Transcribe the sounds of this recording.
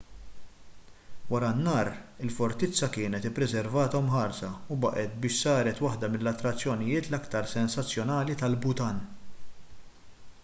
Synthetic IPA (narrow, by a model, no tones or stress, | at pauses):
wɐɾɐnːɐːɾɪlfɔɾt̪ɪt͡sːɐkɪːnɛt̪ɪpːɾɛzɛɾvɐːt̪ɐmħɐːɾsɐubɐʔɛt̪bɪːʃsɐːɾɛt̪wɐħd̪ɐmɪlːɐt̪ːɾɐt͡sːjɔnɪjɪːt̪lɐkt̪ɐɾsɛnsɐt͡sːjɔnɐːlit̪ɐlbʊt̪ɐn